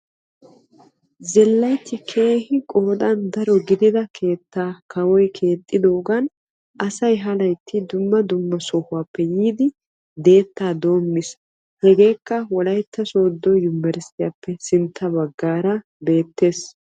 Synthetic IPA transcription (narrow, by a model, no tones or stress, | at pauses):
zɛlːɐjt̪ːɪkʰe̞ːhɪkʼoːd̪ɐnd̪ɐɾɔɡɪd̪ɪd̪ɐkʰe̞ːt̪ːaːkʰɐwɔjkʰe̞ːt̪ʼːɪd̪oːɡɐn | ɐsɐjɦɐlɐjt̪ːɪd̪ʊmːɐd̪ʊmːɐsɔhʊwaːpːɛjiːd̪ɪ | d̪e̞ːt̪ːaːd̪o̞ːmːɪs | hɛɡe̞ːkːɐwɔlɐjt̪ːɐso̞ːd̪ːɔjʊmːɛɾsɪjapːɛsɪnt̪ʰːɐbɐɡːaːɾɐ | be̞ːt̪ːe̞ːs